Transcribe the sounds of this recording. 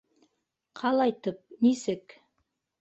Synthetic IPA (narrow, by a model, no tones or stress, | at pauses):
qʰɑlˠɑjt̪ɤp̚nisɘk